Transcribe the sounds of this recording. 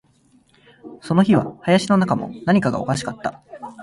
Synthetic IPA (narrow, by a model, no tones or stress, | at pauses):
so̞no̞çiβa̰hajaɕino̞nakamo̞̰naɲ̟ikaɡa̰o̞̰kaɕi̥kat̪ːa